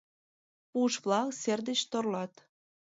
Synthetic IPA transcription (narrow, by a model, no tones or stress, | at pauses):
puʃβlɑkserd̪et͡ɕt̪orlɑt̪